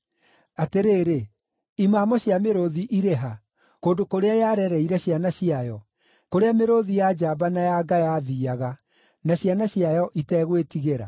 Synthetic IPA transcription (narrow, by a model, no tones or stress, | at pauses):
ateɾeːɾe | imaːmɔɕjameɾoðiʔiɾeɦa | koːndokoɾeajaɾɛɾɛiɾɛɕianaɕiajɔ | koɾeameɾoðijad͡ʑabanajaɡajaðiːaɣa | naɕjanaɕiajɔʔitɛɣwetiɣeɾa̰